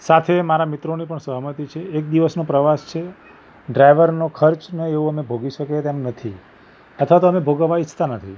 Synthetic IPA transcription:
sat̪ʰemaɾamit̪ɾonipəɳsəɦmət̪it͡ʃʰeːk̚d̪iʋəsnõpɾəʋast͡ʃʰe | ɖɾajʋəɾnokʰəɾt͡ʃneeõəmebʱoɡiʃəket̪emnət̪ʰi | ət̪ʰʋat̪oəmebʱoɡəʋait͡ʃʰt̪anət̪ʰḭ

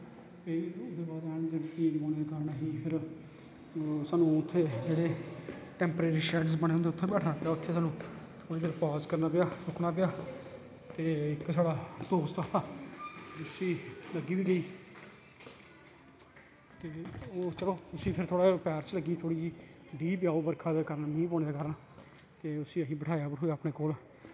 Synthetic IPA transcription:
eiʊd̪eːbaːd̪ɛːɽ̃d̪eːpĩːd͡ʒoːneːd̪ekaːɾəɳaɦiːpʰɪɾ | saːnũːʊt̪ʰːeːd͡ʒeːɽeːʈɛ̃ːmpəɾeːɾiːʃɛʈsbəɽ̃eːɦʊnd̪eʊt̪ʰːeːbɛːʈʰnaːpeaːʊt̪ʰːeːsaːnũːt̪ʰoːɽiːd̪əɾpaːzkəɾnaːpejaːsʊkʰnaːp̬eaː | t̪eːɪksaːɽaːt̪oːst̪aːaː | ʊsĩːləɡiːʋiːɡəiː | t̪eːoːt͡ʃəloːʊsĩːpʰɪɾt̪ʰoːɽaːpɛːɾt͡ʃləɡiːt̪ʰoːɽiːd͡ʒiː | ɖiːpɪjaːoːbəɾkʰaːd̪eːkəɾənmĩːpoːneːd̪eːkəɾnː | t̪eːʊsĩːəɦĩːbəʈʰaːjaːbəʈɦoːjaːpɽeːkoːlː

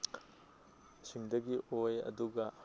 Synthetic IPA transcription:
siŋdɐɡiʔojɐ̰duɡɐ

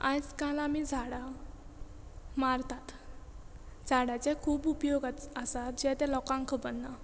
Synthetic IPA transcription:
ajt͡skalamid͡zʱaɽa | maɾt̪at̪ | d͡zʱaɽat͡sɛkʰuːbupjoɡat̪əsat̪̚d͡ʑɛt̪ɛ̃lɔkãŋkʰəbənːa

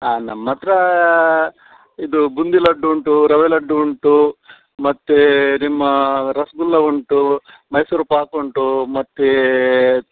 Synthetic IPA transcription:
anɐmːɐt̪ɾɐ | id̪ubund̪ilɐɖːuuɳʈuɾɐʋelɐɖːuuɳʈu | mɐt̪ːenimːɐɾɐsɡulːɐuɳʈu | mɐjsuɾupaːkoɳʈumɐt̪ːe

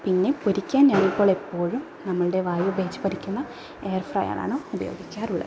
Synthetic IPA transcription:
pinːe̞poɾikʲːaːnɲaːnipːo̞ːɭepːo̞ːɻum | nɐmːɐɭuɽe̞ʋaːjubeːt͡ɕːɨ̥pɐɾikʲːunːɐ | eːɐrfrɐ̰ja̰ːna̰ːɳɨubɐjo̞̰ːɡikʲːaːruɭːɐ̰

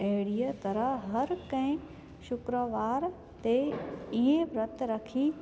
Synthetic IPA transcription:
ɛːɽijət̪ɐɾəɦɦɐɾkɐ̃ɦɪ̃ | ʃʊkɾəʋaːɾ | t̪eiɦẽʋɾɐt̪ɾɐkʰiː

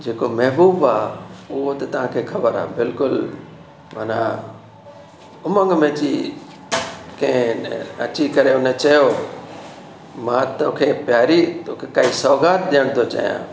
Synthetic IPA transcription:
d͡ʑeːkomɐɦbuːbaːʊɦot̪ɐt̪ɐʋ̤ãkʰeːxʰɐbəɾa̰ːbɪlkʊl | manã | ʊmə̃ŋɡmẽːt͡ɕi | kɐ̃ɦɪ̃ɐ̰t͡ɕikɐɾeʊnet͡ɕɐjo | mãːt̪oːkʰeːpjaːɾit̪okʰekaːɦisɔːɡaːt̪̚ɗɪjəɽ̃t̪ʰot͡ɕa̰jã̰ː

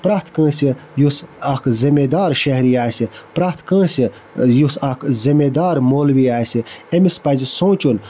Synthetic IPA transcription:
pɾaːht̪kə̃ːsijusɐkʰzimed̪aːɾʃɐɦɾiaːsipɾaht̪kə̃ːsi | jusɐkʰzimed̪aːɾmoːlʋiaːsiemispɐzisõːt͡ʃun

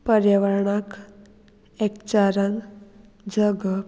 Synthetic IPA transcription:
pəɾjəʋəɾɳak | ekt͡ɕaɾən | d͡ʑəɡə

